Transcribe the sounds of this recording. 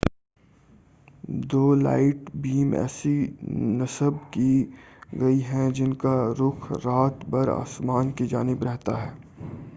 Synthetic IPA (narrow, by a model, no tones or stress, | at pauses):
d̪oːla̰ːɪʈbiːmɛ̰ːsinɐsəbkiɡɐiɦɛ̃d͡ʒɪnkaɾʊkʰɾaːt̪bɐɾa̰ːsmaːnkid͡ʒaːnɪbɾɛɦt̪aɦɛː